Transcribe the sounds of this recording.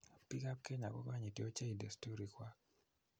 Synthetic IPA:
pi˦ka˦p̚ke˦ɲa̰˨kɔ̰˦ka˦ɲi˨tjo˦t͡ʃe˦i˨de˨sto˦ɾi˨kwa˦k̚

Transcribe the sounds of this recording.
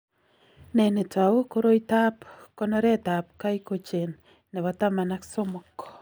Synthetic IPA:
nɛ˨ne˨ta˨u˦ko˦ɾo˦ita˦pkɔnɔ˦ɾɛ˦ta˨p̚ka˦iko˨t͡ʃe˨nː | e˨βɔ˨ta˦ma˨nakso˦mɔkːɔ̥

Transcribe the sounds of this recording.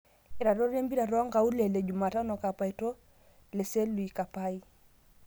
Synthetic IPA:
ɛ˨ɾa˨ɾɔ˦ɾɛ˦mbi˦ɾa˨ɾɔ˦a˦ŋɡa˨u˦lɛ˨lɛ˨d͡ʒu˨maː˨ta˦nɔ˨ka˨pa˨i˨tɔ˦ | lɛ˨sɛ˦lu˨i˨ka˨pa˦i˦

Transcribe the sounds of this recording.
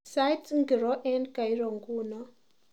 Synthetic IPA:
sa˦jtŋɡi˨ɾɔ˦ʔɛ˦nka˨i˦ɾɔ˨ŋɡu˦nɔ˦

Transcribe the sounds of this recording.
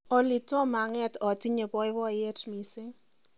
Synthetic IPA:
ɔ˨li˨tɔ˦ma˨ŋɛ˦tɔ˨ti˦ɲe˨bɔ˦ɪ˦βɔ˦˨je˦tmi˨sɪ˦ŋ

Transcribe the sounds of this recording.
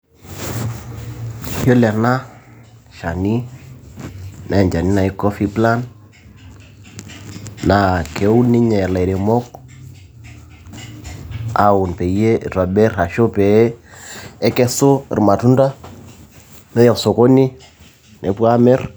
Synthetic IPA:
jo˦lɛ˨ɾna˦ | ʃa˨ni˦ | nʔa˨ɛ˨ɲd͡ʒa˨ni˦na˨i˦kɔ˦fi˦pla˦n | na˨kʰe˨u˦ni˦ɲɛ˨la˨ɾe˨mɔ˦k | a˨˦u˨npɛ˨je˦˨ɾa˨bɛ˦ɾa˨ʃo˦pɛ˨˦ | ɛ˦kɛ˦so̰˦˨ɾma˨tu˦nda˦ | nɛ˦jɔ˨so˨ko˦ni˦ | nɛ˨pwa˦mɛ˦r

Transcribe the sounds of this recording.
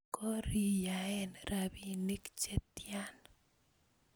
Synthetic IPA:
kɔ˦ɾi˨jaɛ˦nɾʔabi˨ni˦kt͡ʃe˦t̪ja˦n

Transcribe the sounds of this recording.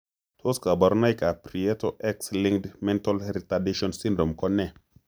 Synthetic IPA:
t̪ʰo˦ska˨bɔ˨ɾna˦jka˨pɾi˨e˦to˦ʔɛ˦ksliŋdmɛ̃˦nta˦lɾita˨di˦ʃɔ˦nsĩ˦ndɾo˨mkɔ˦nːɛ˦

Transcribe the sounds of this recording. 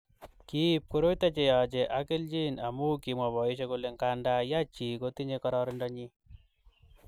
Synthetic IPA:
ki˦p̚ko˦ɾo˦jta˦t͡ʃe˨ja˨t͡ʃe˨ʔakɪ˦ld͡ʒi˦na˨mu˦ki˨mwa˨βɔ˨i˦ʃ̬e˦ko˦le˨ŋka˦nda˦ja˦t͡ʃi˨ko˦ti˦ɲe˧kɔ˦ɾɔɾɪ˦ndɔ˦ɲi˦

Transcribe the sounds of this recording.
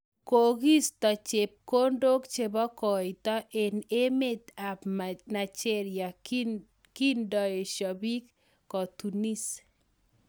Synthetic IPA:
ko˨ɡi˦st̪ɔ˨t͡ʃe˨p̚ko˦ndo˦kt͡ʃe˦bɔ˦kɔ˨jt̪ɔ˦ʔe˨ne˦me˦˨t̪a˨pmana˨t͡ʃe˦ɾja˨ | ki˦ndɔ˨je˨ʃɔ˨bi˦kː | ɔ˨tu˨ni˦s

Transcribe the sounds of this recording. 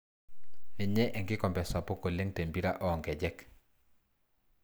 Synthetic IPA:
ɛ˨ɲɛ˦ʔɛ˨ŋɡɪ˦kɔ˨mbɛ˨sa˨pɔ˦ko˨le˦ŋte˨mbi˦ɾa˦ʔɔ˦˨ŋɡɛ˨d͡ʒɛ˦k

